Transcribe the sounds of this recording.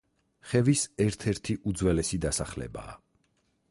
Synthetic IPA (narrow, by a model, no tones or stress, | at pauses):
χɛvisɛɾt̪ʰɛɾt̪ʰiʔud̪zwɛlɛsid̪asaχlɛ̰ba̰ː